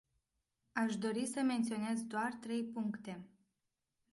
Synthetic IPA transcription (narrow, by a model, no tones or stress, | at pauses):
aʃd̪o̞ɾisəme̞nt̪sio̞ne̞zd̪oart̪ɾe̞jpuŋkt̪e̞